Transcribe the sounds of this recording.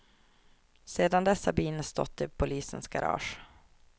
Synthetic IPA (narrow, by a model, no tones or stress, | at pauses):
seːd̪and̪ɛsːabiːnəst̪ɔ̰t̪ːɪpʰʊliːsənsɡaɾʔɑ̰ːʂ